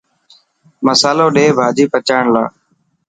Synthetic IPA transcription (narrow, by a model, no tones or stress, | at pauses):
məsaːloːɗeːbʱaːd͡ʒiːpət͡ʃaːɳla̰ː